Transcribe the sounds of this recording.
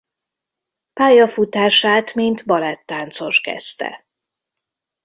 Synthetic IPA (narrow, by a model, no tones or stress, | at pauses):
paːjɒfut̪aːʃaːt̪mint̪bɒlɛt̪ːaːnt̪so̞ʃkɛ̰st̪ɛ̰